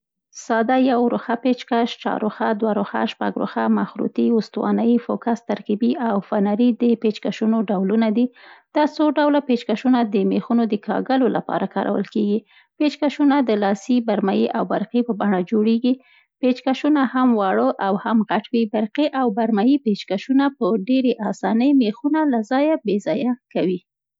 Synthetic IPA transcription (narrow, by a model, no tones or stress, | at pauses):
sɑd̪ajawɾoxapet͡ʃkaʃt͡ʃɑ̰ɾo̰xad̪waɾoxa̰ʃpa̰ɡɾo̰xamaxɾṵt̪iʊst̪wɑ̰naifokast̪aɾkibiʔawfanaɾid̪əpet͡ʃkaʃunoɖawlunad̪id̪̥ɑsoɖawlapet͡ʃkaʃunad̪əmexunod̪əkɑ̰ɡəlolapɑ̰ɾakɑ̰ɾʔa̰wə̰lkeɡi | pet͡ʃkaʃunad̪əlɑsibaɾmajiʔawbaɾqipəbaɳad͡ʒoɽeɡi | pet͡ʃkaʃunahamwɑɽəʔawhamɣaʈwibaɾqiʔawbaɾmajipet͡ʃkaʃunapəɖeɾeʔɑsɑnəjmexunalazɑjabezɑjakawi